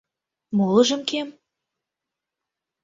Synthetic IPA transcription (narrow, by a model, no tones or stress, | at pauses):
molɤ̆ʒɤ̆mkem